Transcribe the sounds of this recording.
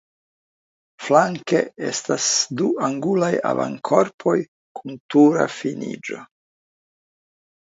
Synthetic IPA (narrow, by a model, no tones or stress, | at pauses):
flaŋke̞e̞̰stasduʔaŋɡulaja̰va̰ŋkʰo̞ɾpʰo̞j | kʰuntuɾa̰finḭd͡ʒo̞